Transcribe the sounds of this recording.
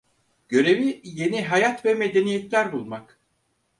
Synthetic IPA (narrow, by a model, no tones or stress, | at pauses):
ɟ̥ø̞ɾe̞vije̞niɦajat̪vɛme̞d̪e̞nijet̪lʲæɾbulˠmak